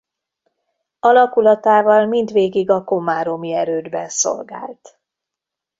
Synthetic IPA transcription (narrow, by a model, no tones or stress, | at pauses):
ɒlɒkulɒt̪aːvɒlmind̪ʋeːɡiɡɒko̞maːɾomiɛɾøːd̪bɛ̰nso̞̰lɡa̰ːlt̪